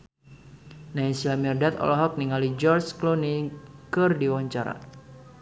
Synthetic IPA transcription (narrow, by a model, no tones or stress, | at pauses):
naisilamirdat̪ɔ̰lɔɦɔk̚niŋalid͡ʒɔrsklonikɨrdiwaɲt͡ʃaɾa̰